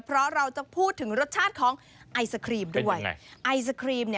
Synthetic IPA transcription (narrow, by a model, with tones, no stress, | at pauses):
pʰɾɔ˦˥ɾa˧wt͡ɕa˨˩pʰuː˥˩t̪ʰːɯ˩˦ŋɾo˦˥t̪̚t͡ɕʰaː˥˩t̪̚kʰɔː˩˦ŋ | ʔa˧jsa˧kʰɾiː˧m̚duu˥˩əj̰ʔa˧js̬a˧kʰɾiː˧pni˥˩